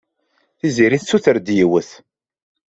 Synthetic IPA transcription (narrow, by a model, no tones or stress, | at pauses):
θiziɾiθsːuθəɾd̪jiwəθ